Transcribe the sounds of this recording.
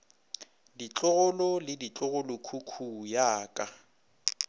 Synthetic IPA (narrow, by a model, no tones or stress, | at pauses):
dit͡ɬʼʊɣʊlɔlɪdit͡ɬʼʊɣʊlʊkʰukʰujaːkʼa